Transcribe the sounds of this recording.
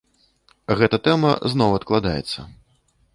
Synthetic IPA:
ɣɛt̪ɐt̪ɛmɐ̰znɔwɐt̪̚klˠad̪ajɛ̰t̪sːɐ̰

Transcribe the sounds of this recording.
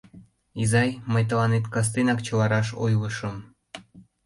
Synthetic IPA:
izɑjməjt̪əlɑnet̪kɑs̬t̪enɑkt͡ɕəlɑɾɑʃo̰jləʃəm

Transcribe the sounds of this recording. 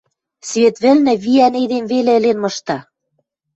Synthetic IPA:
sβet̪βɘ̆lnɘ̆βiæned̪emvelĕɘ̆lenmɤ̆ʃt̪ɑ

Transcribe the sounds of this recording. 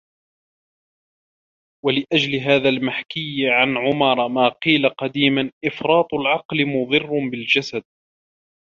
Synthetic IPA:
walɪʔad͡ʒlɪɦaːðalmaħkɪjʕanʕʊmɑɾˤmaːqiːlaqɑd̪iːmanʔɪfɾˤɑːt̪ˤʊlʕɑqlɪmʊðˤɨrˤːbɪld͡ʒasad̪̚

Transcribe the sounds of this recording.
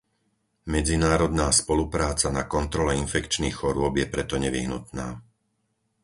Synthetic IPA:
mɛd͡zinaːɾɔd̪naːspɔlupɾaːt͡sanakɔnt̪ɾɔlɛinfɛkt͡ʃniːxxɔɾʊɔbjɛpɾɛt̪ɔɲɛʋḭɦnut̪naː

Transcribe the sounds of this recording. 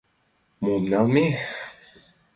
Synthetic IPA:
mumnamiħ

